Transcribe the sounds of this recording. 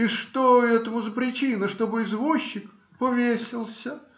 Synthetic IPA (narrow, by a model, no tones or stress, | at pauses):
iʂt̪oɛt̪əmʊzəpɾʲɪt͡ɕinəʂt̪obɨɪzvuɕːɪk | pəvʲesʲɪlˠsʲə